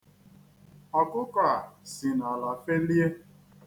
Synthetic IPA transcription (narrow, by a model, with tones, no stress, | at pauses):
ɔ˨kʊ˦kɔ˨a˨si˨nɔ˨lɔ˨fe˦n̩˦i˦e˦